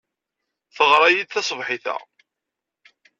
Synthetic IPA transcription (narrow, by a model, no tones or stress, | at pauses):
θəʁɾˤæjid̪θæsˤvħɪθæ̰